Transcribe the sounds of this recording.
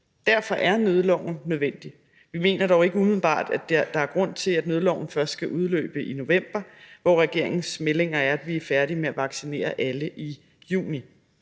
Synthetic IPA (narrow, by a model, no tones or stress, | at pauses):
d̥æɐfɒ̽ʔæɐnøːðˠəlɒʊ̰n̩ːøð̞ˠʋen̰d̥i | ʋime̝̰ːnɐɾ̥ɒʊe̝ɡ̥əum̩b̥ɑ̰̈ːd̥æ̥d̥ɑ̈æɐɡ̥ʁɔ̽n̰t͡sʰe̝læd̥nøːð̞ˠəlɒʊn̩fɶɐsd̥sɡ̥æʔuð̞ˠlø̰ːb̥əʔino̝ʋem̰b̥ɐʋɒʁɛɡ̥e̝ɐ̰e̝ŋn̩smele̝ŋɐæɐæd̥ʋiæɐfæɐɾimeæʋɑ̈ɡ̥sine̝̰ːɐʔæləʔi | jṵːni